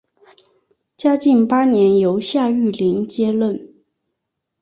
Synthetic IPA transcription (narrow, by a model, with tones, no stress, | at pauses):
t͡ɕja˥t͡ɕi˥˩npa˥njɛ˧˥njo˧˥ʊɕja˥˧y˥˩li˧˥ŋt͡ɕjɛ˥lwə˥˩n